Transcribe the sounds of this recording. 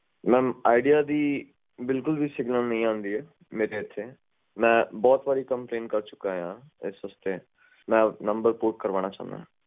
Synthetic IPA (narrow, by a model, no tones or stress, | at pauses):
mɛ̃ːaːɪɖijaːd̪iː | bɪlkʊlbiːsɪɡnaːlnəɦĩːãːnd̪iːɛː | meːɾeːɪt̪ʰːeː | mɛ̃ːbɔːt̪ʋaːɾiːkəmplẽːnkəɾt͡ʃʊ̥kːaːjãː | ɪ̰sʋəst̪eː | mɛ̃ːnəmbəɾpoɾʈ̚kəɾʋaːñaːt͡ʃã̰ːnd̪a̰ːɦɛ̃ː